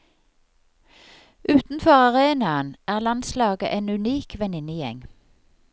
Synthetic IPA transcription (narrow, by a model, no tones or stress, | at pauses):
ʔʉːt̪n̩fɔʁɑʁeːnɑənæːʁlɑnslɑːɡə̰ʔeːnʉniːkʋɛnɪnəjɛ̰ŋ